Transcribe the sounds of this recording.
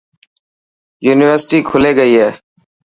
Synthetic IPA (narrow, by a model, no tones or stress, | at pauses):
juːnɪʋəɾsʈiːkʰʊleːɡəiːɦɛː